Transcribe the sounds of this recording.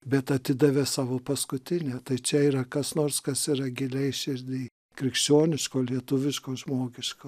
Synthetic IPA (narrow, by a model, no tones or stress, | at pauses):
bʲɛt̪ɐt̪ʲɪd̪ɐʋʲeːsɑːʋoːpɐskʊt̪ʲɪnʲɛːt̪ɐɪt͡ʃʲɛiːɾɐkɐsnoːrskɐsiːɾɐɡʲɪlʲɛɪʃʲɪɾʲd̪ʲiː | kɾʲɪkʃʲt͡ʃʲoːnʲɪʃkoːlʲiɛt̪ʊʋʲɪʃkoːʒmoːɡʲɪʃkoː